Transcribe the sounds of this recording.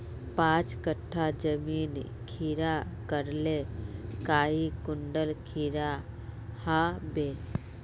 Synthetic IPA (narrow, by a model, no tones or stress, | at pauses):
pãːt͡ʃkəʈʰːad͡ʒəmiːn | kʰiːɾakəɾlekaːikʊɳɖəlkʰiːɾa | habe